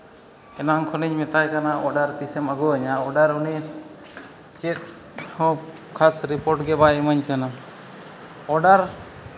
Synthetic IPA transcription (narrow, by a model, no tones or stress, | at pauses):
ɛnaŋkʰɔniɲmɛt̪ajkanaʔɔɖaɾt̪isɛmaɡuəɲaɔɖaɾuni | t͡ʃɛt̪̚ | hɔ | kʰːasɾipɔɾʈɡɛbaɛməɲkʰənam | ɔɖaɾ